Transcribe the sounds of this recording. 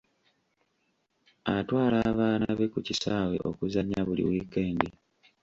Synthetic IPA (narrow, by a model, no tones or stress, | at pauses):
atwaːlaβaːnaβe̞kucisaːwe̞̰ʔo̞̰kuzaɲːaβulḭwiːkeːŋɡi